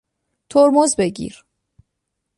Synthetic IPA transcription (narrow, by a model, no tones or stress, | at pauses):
t̪ʰoɾmozbeɟḭɾ